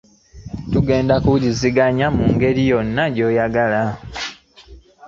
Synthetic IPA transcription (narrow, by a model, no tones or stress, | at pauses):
tuɡe̞ːndakuɟiziɡaɲamuːŋɡe̞ɾijo̞nːaɟo̞ːjaɡala